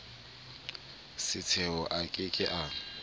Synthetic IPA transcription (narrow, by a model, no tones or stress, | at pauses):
sɪt͡sʰɛɔʔakʼɪkʼɪʔaːŋ̩